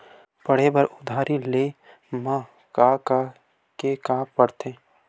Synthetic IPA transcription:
pəɽ̤ebəɾʊd̪ʱaːɾʔile | mã | kaka | kekaːpːəɽt̪ʰeː

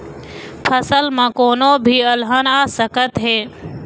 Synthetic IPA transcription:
pʰəsəlmãːkoːnoːbʱiːəlɦənaːsəkət̪ɦeː

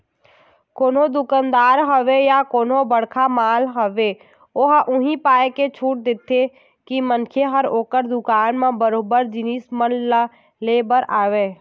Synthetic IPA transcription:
koːnod̪ʊkənd̪aːɾɦəʋejakoːnõbəɽ̤kʰamaːlɦəʋe | oːɦʔʊɦĩpaːeket͡ʃʰuːʈ̚d̪ɪt̪ʰːe | kimənkʰeɦəɾoːkəɾd̪ʊkaːnmẽbəɾoːbəɾd͡ʒɪniːsmənl | leːbəɾʔaːʋeː

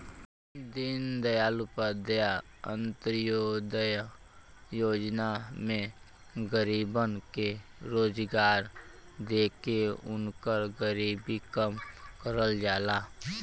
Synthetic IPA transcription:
d̪ɪnd̪əjaːlupəd̪əja | ə̃nt̪ɾjod̪əj | joːd͡ʒnamẽ | ɡəɾiːbənkeɾoːd͡ʒɡaːɾ | d̪eːkeʊnkəɾɡəɾiːbikəmkəɾəld͡ʒaːlaː

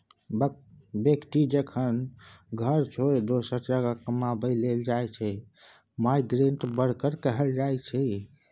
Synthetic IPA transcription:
bjekʈ̪id͡ʒəkʰənɡʱəɾt͡ʃʰoed̪osəɾd͡ʒəɡakəmabəleld͡ʒajt͡ʃʰɛ | maiɡɾeɳʈbəɽ̤kəɾkəɦɛld͡ʒajt͡ʃʰɛ

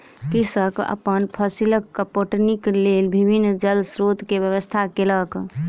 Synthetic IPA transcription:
kisəkə̰pənpʰəsiləkːəpoʈniklelbʱibʱinːd͡ʒəlsɾot̪kebjəβəst̪ʰakelək

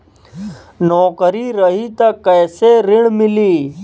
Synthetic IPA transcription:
nɔːkəɾiːɾəɦiːt̪ɐkəːseɾɪɳmɪliː

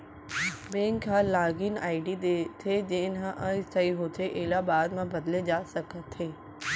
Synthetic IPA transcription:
bẽːŋkːalaːɡɪnaːɪɖid̪et̪ʰed͡ʒenɦãʔəsəiɦoːt̪ʰeʔeːlabaːd̪mãbɐd̪led͡ʒaːsəkət̪ɦeː

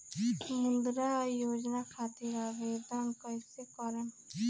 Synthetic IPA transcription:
mʊnd̪ɾajoːd͡ʒnakʰaːt̪iɾaːʋeːd̪ənkɔjsekɔɾen

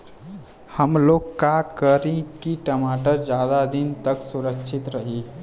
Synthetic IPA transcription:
həmloːɡkːakəɾĩkiʈəmaʈəɾd͡ʒjad̪ad̪int̪əksuɾəkt͡ʃʰit̪ɾəɦi

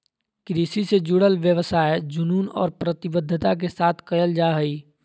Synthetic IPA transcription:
kɾiːsised͡ʒʊɽəlʋjəʋsaːed͡ʒʊnuːnɔ̰ːɾpɾət̪ɪbəd̪ʱːət̪ak̬esaːt̪ʰkɐjəld͡ʒaːɦɐiː

